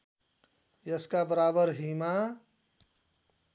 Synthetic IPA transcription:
jeskabəɾabəɾɦima

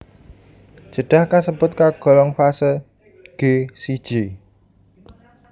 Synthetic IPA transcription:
ʒ̥ə̤ɖ̥a̤hkasəb̥ʊt̪̚kaɡ̥ɔ̤lɔŋfasə | ɡ̥esid̥ʒ̥e

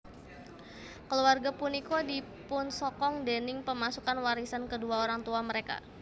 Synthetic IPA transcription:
kəluarɡapunikodi | pʊnsɔkɔŋdenɪŋpəmasukanwaɾisankəduaoɾaŋt̪uaməɾeka̰

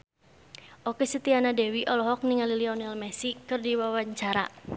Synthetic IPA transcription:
ʔokesət̪ianadɛwiʔɔlɔɦɔk̚niŋaliliɔnilmɛsikɨrdiwawaɲt͡ʃaɾa̰

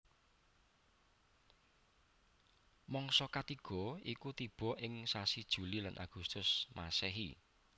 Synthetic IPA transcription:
mɔŋsɔkat̪iɡ̥ɔ̤ikut̪ib̥ɔ̤ʔɪŋsasid̥ʒ̥ṳlilanʔa̰ɡ̥ust̪ʊsmasɛɦḭ

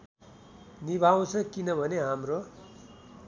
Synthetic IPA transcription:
nibʱaw̃t͡sʰʌkinʌbʱʌneɦamro

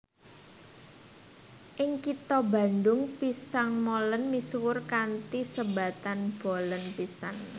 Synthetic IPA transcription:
ʔɪŋkit̪ɔba̤nd̪ʊŋpisaŋmolənmiswʊrkant̪isəba̤t̪anb̥o̤lənpisaŋ

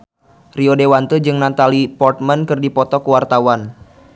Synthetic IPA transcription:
riodewant̪əd͡ʒɨŋnant̪alipɔrt̪̚mankɨrdipɔt̪ɔkuwart̪awan

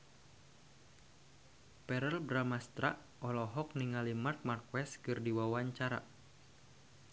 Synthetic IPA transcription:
pɛɾəlbɾamast̪ɾaʔ | ʔɔlɔɦɔk̚niŋalimart̪̚markwɛskɨrdiwawaɲt͡ʃaɾa̰

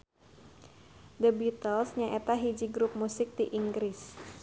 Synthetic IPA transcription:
dəbit̪əlsɲaʔet̪aɦid͡ʒiɡɾup̚musɪk̚d̪iʔiŋɡɾɪs

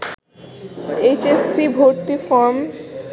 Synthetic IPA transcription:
et͡ɕesːibʱoɾt̪ifɔɾm

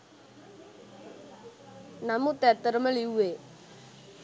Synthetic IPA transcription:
namut̪ɛt̪əɾməliwe

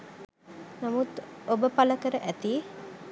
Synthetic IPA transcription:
namut̪obəpaləkəɾəʔæt̪i

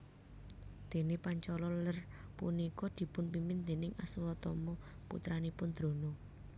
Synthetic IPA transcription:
d̪̥e̤nepaɲt͡ʃɔlɔlərpṵnikɔd̪̥i̤pʊnpimɪnd̪e̤nɪŋʔaswɔt̪ɔmɔ | pṵt̪ɾanipʊnd̪̥ɾo̤no

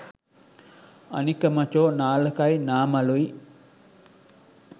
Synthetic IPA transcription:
a̰nikəmat͡ʃoːnaːləkajnaːmalui

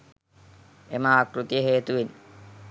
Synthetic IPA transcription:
emaːkɾut̪ijəɦeːt̪uʋin

